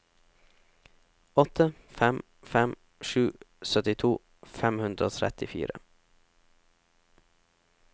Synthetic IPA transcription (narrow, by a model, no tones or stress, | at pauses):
ɔt̪ʰəfɛm | fɛm | ʃʉːsœt̪ɪt̪ʰuː | fɛmhʉnd̪ɾəo̰ːt̪ʰɾɛ̰t̪ɪfḭːɾə̰